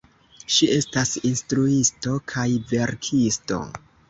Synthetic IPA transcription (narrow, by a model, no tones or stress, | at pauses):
ʃie̞stasinstɾuisto̞kʰajve̞ɾkʰisto̞̰